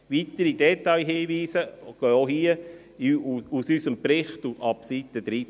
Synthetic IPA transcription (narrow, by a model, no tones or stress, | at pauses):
ʋitəɾidɛtɑjɦiːʋiːsəɡ̥øːoɦiə | usysəmpɾɪχtuɑpsit̪əd̪̥ɾi